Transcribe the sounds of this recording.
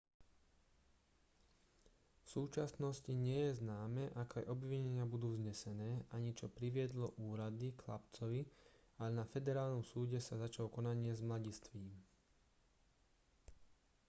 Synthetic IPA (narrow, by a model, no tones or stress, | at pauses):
fsuːt͡ʃasnɔsciɲɪɛjɛznaːmɛːʔakajʔɔbʋiɲɛɲɪabud̪uːvzɲɛsɛnɛːʔaɲit͡ʃɔpɾiʋɪɛd̪lɔʔuːɾad̪iklapt͡sɔʋi | alɛnafɛd̪ɛɾaːlnɔmsuːɟɛsazat͡ʃalɔkɔnaɲɪɛzmlaɟist̪ʋiːm